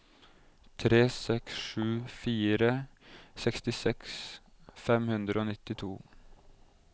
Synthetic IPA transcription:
t̪ʰɾeːsɛksʂʉːfiːɾəsɛkst̪ɪsɛksfɛmhʉnd̪ɾəoːnɪt̪ɪt̪ʰuː

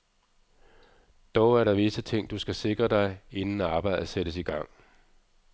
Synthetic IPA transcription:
d̥ɒʊæɐɾɑ̈ʋesət͡sʰe̝ŋ̰d̥usɡ̥æse̝ɡ̥ʁɐd̥ɑ̈ɪe̝nn̩æɑ̈ːb̥ɑ̈ɪ̰ð̩ˠəsedɾ̥əsiɡ̥ɑ̈ŋ̰

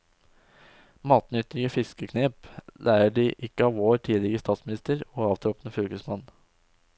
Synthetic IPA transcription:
mɑːt̪nʏt̪ɪɡəfɪskəkʰneːplʔæːɾəɖiːʔɪkəɑːʋoːɾʈ̪ʰiːlɪəəst̪ɑːt̪smɪnɪst̪əɾoːɑːʋt̪ʰɾɔpnəfʏlkəsmɑn

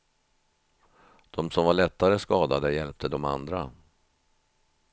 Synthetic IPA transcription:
d̪̥ɔmsɔmvaɭɛt̪ːaɾəskɑːd̪ad̪əjɛlp̚t̪ʰəd̪ɔma̰nd̪ɾa̰

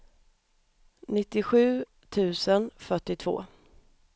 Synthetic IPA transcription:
nɪt̪ːɪɧʉ̟ː | t̪ʰʉ̟ːsənfœʈːɪt̪ʰv̥o̰ː

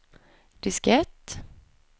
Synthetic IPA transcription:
d̪̥ɪskɛt̪ː

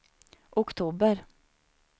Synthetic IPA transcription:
ʔʊkt̪ʰuːbəɾ

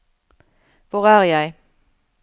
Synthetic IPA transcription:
ʋʊʁæːʁjæɪ

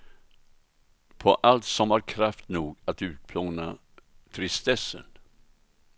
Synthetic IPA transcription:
pʰɔʔalt̪sɔmhaɾkʰɾaft̪nuːɡat̪ʉ̟ːt̪̚pʰloːna̰ | t̪ʰɾɪst̪ɛsːə̰n

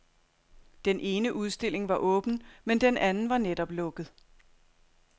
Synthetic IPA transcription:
d̥enʔe̝ːnəʔuð̞ˠsd̥e̝l̰e̝ŋʋɑ̈ʔɔ̽ːb̥n̩mend̥enʔænn̩ʋɑ̈ned̥ɒ̽b̥lɔ̽ɡ̥ð̞̩ˠ

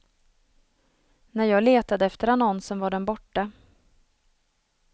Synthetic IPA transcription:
næɾjɑːɡleːt̪ad̪əɛft̪əɾanɔnsənvaɖɛnbɔʈːa

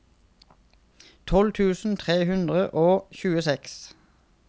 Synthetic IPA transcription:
t̪ʰɔlt̪ʰʉːsn̩t̪ʰʁeːhʉnd̪ʁəʔoːçʉːəsɛks

